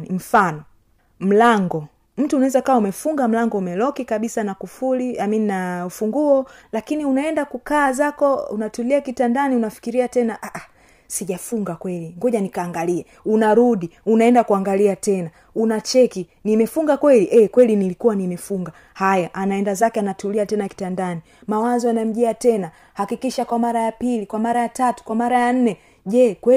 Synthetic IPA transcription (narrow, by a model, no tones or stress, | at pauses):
nim̩fanɔ | m̩laŋɡɔ | m̩tuːnawɛzakawaumɛfuŋɡam̩laŋɡɔumɛlɔkikaɓisanakufuliamininaufuŋɡuɔlakiniunaɛndakukaːzakɔṵnatuliakitandaniunafi̥kiɾiatɛnaʔaʔa | siʄafuŋɡakwɛliŋɡɔʄanikaːŋɡaliɛ | unaɾuɗiunaɛndakuaŋɡaliatɛna | unat͡ʃɛkinimɛfuŋɡakwɛliʔɛkwɛlinilikuwanimɛfuŋɡa | hajaʔanaɛndazakɛanatuliatɛnaki̥tandani | mawazɔanam̩ʄɛatɛna | hakikiʃakwamaɾajapilikwamaɾajatatu̥kwamaɾajan̩nɛ | ʄɛkwɛ